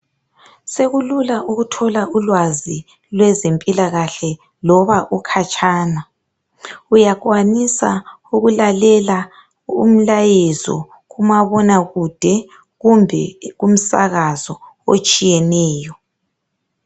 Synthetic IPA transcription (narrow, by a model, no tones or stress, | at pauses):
seɣululaʔuɣutʰɔlaʔulwazi | lwɛzempʼilaɣaɬɛ | lɔβaʔukʰat͡ʃʼaːna | ujaɣwanisa̰ | uɣulalɛla | ṵm̩lajezɔ̰ | ɣumaβɔnaɣud̥ʱɛ | ɣumbʱɛɣum̩sa̰ɣazɔo̰t͡ʃʼijɛnɛːjɔ